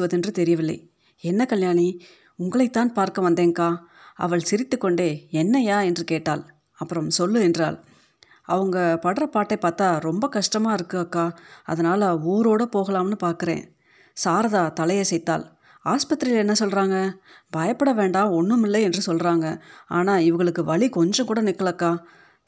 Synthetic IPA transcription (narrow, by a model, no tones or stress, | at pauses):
ʋɐðɯɛndrɯt̪ɛɾɪjɐʋɪlːɐ̰ɪ | ɛnːɐkɐljaːni | ʊŋɡɐɭɐɪt̪ːaːnpaːɾkɐʋɐnd̪eːŋkaː | ɐ̰ʋɐɭsɪɾɪt̪ːɯkːɔɳɖeːɛnːɐjaːɛndrɯkeːʈːa̰ːl | ɐpːɯɾɐmsɔlːɯɛndra̰ːl | ɐʋɐŋɡɐpɐɽɐɾɐpaːʈːɐɪpːaːɾt̪aːɾɔmbɐkɐʂʈɐmaːɪɾɯkːɯɣɐkːaːɐ̰ðɐnaːlɐuːɾoːɽɐpoːɣɐlaːmnɯpaːɾkɯɾḛ̃ː | saːɾɐðaːt̪ɐlɐjɐsɛjt̪ːa̰ːl | aːspɐt̪ːɪɾɪlɛnːɐsɔlɾaːŋɡɐbɐjɐpːɐɽɐʋeːɳɖaːɔnːɯmɪlːɐɛndrɯsɔlɾaːŋɡɐa̰ːnaːɪʋɐɣɐɭɯkːɯʋɐɭikɔɲd͡ʒɐ̃kuːɽɐnɪkːɐɭɐkːaː